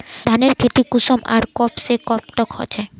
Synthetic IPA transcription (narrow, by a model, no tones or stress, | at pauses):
d̪ʱaneɾkʰet̪ikusɔma̰ɾkɔpsekɔp̚ʈɔkhɔ̰t͡ɕʰa